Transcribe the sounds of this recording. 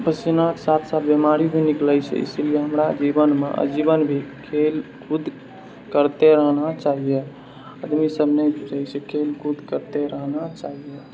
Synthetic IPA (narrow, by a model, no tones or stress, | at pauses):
pəsinaksat̪ʰsabemaɾibʱinikləjt͡ʃʰɛ̰ḭsilijeɦəmɾad͡ʒibənmḛʔə̰d͡ʒibənbʱikʰelkud̪ʱ | kəɾt̪eɾəɦnat͡ʃaɦijɛ | əd̪misəbʱnɛd͡ʒuɾəjt͡ʃʰɛkʰelkud̪ʱkəɾt̪eɾəɦnat͡ʃaɦijɛ